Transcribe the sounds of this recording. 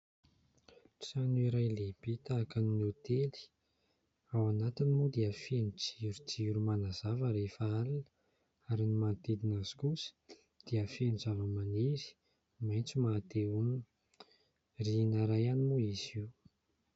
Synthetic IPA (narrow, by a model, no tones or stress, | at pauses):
ʈ͡ʂanuiɾajleb̥et̪aːkaninot̪eli̥ | awanat̪inimud̪eəfenit͡si̥iɾut͡siiɾumanazavəɾefaalunə | aɾinimat̪ed̪inazi̥kusə̥ | d̪̥iəfenizavəmaniɾi̥ | majnt͡simat̪eumini | rinaɾajanimuiziw